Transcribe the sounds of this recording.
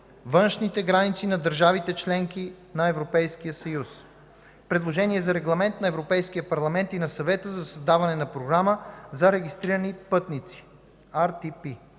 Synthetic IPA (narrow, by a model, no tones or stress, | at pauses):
vɤnʃnit̪ɛɡɾanit̪sinɐd̪əɾʒavit̪ɛt͡ʃlɛŋki | nɐɛvɾopɛjskijəsɐjus | pɾɛd̪lˠoʒɛniɛzɐɾɛɡlˠɐmɛnt̪nɐɛvɾopɛjskijəpɐɾlˠɐmɛnt̪inɐsɐvɛt̪əzɐsɐzd̪avɐnɛnɐpɾoɡɾaməzɐɾɛɡist̪ɾiɾənipɤt̪nit̪si̥ | aɾt̪ipi